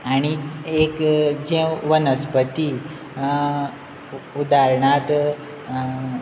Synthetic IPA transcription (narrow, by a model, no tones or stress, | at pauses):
aɽ̃iekd͡ʑɛ̃ʋənəspət̪i | ud̪aɾɳat̪